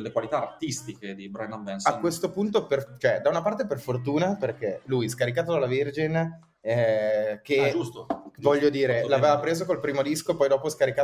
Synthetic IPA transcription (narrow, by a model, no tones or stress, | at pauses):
elːekwalit̪aːrt̪ist̪iked̪ibɾajnambɛnsakwest̪opunt̪opert͡ʃoɛd̪aunapart̪eperfort̪uːnaperkelujskaɾikaːt̪̬od̪alːavird͡ʒin | ɛk̟ed͡ʒust̪ovɔʎːod̪iːɾelaveːvapɾeːzokolpɾiːmod̪iskopɔjd̪ɔːposkaɾika